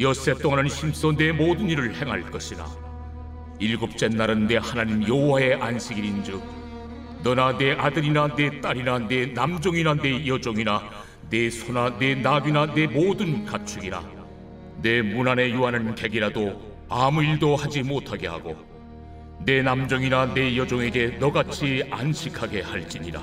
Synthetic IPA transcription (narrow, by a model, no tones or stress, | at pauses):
jʌs͈e̞t͈oŋanɯnɕʰims͈ʌne̞modɯniɾɯɭhe̞ŋɦa̰ɭk͈ʌɕʰina̰ | iɭɡup̚t͡ɕ͈e̞nːaɾɯnːe̞hanaɲimjʌwwae̞ʔanɕʰiɡiɾind͡ʑɯk̚ | nʌnane̞ʔadɯɾinane̞t͈aɾinane̞namd͡ʑʌŋinane̞jʌd͡ʑoŋina | nesʰonane̞naɡinane̞modɯnkat͡ɕʰuɡina̰ | ne̞munane̞juɦanɯnkeɡiɾado | amuiɭdohad͡ʑimotʰaɡe̞ha̰ɡo̰ | ne̞namd͡ʑʌŋinane̞jʌd͡ʑʌŋe̞ɡe̞nʌɡat͡ɕʰia̰nɕʰikʰaɡe̞haɭt͡ɕ͈iɲiɾa̰